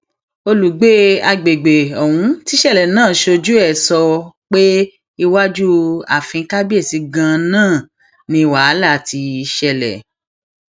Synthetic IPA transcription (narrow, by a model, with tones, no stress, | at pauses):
o˧lu˨ɡ͡be˨˦a˧ɡ͡be˨ɡ͡be˨ɔ˨hũ˧˦ti˦ʃɛ˦˨lɛ˨nãː˦˨ʃo˧d͡ʒu˦ɛ˦˨sɔ˧k͡pe˦ | i˧wa˦d͡ʒu˦a̰˨fĩ˧˦ka˦bi˦e˦˨si˨˧ɡã˧nãː˦˨ | nĩ˧wa˨˦la˦˨ti˧i˧ʃɛ˧lɛ̰˨